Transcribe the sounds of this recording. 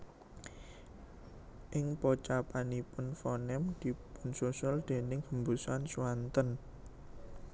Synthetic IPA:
ʔɪŋpɔt͡ʃapanipʊnfɔnɛmd̪̥i̤pʊnsosʊld̪̥e̤nɪŋhəmbusansuwant̪ən

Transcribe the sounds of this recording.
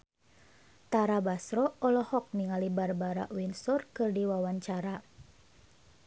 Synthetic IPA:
t̪aɾabasɾɔɔlɔhɔk̚niŋalibarbaɾa̰ʔwinsɔrkɨrdiwawaɲt͡ʃaɾa

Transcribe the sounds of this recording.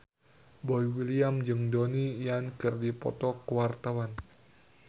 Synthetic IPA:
bɔjwiliamd͡ʒɨŋdonijankɨrdipɔ̰t̪ɔkəwart̪awan

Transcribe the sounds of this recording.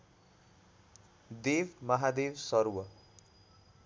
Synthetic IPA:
d̪ebmʌɦad̪ebsʌɾwʌ

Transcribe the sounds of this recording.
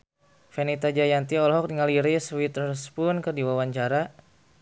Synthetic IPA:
fɛnit̪ad͡ʒajant̪iɔlɦɔk̚diŋaliɾiswit̪ɾərspʊnkərdiwawaɲt͡ʃaɾa

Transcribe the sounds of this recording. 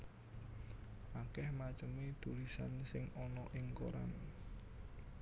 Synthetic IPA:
ʔakɛhmat͡ʃəmit̪ulisansɪŋɔnɔʔɪŋko̰ɾa̰n

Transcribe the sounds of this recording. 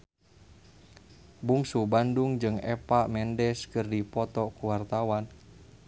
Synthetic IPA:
buŋsubanduŋd͡ʒɨŋɛ̰paʔmɛndɛskɨrdipɔt̪ɔkuwart̪awan

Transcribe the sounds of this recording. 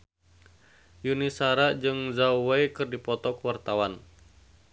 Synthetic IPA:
junisaɾad͡ʒɨŋzawajkɨrdipɔt̪ɔkuwart̪awan

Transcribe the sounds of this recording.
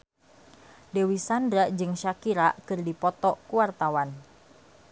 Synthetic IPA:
dewisandɾad͡ʒɨŋʃakiɾakɨrdipɔt̪ɔkuart̪awan

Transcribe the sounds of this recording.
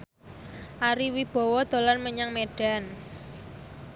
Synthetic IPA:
ʔaɾiwib̥ɔ̤wɔd̪̥o̤lanməɲaŋmeɖ̥a̤n

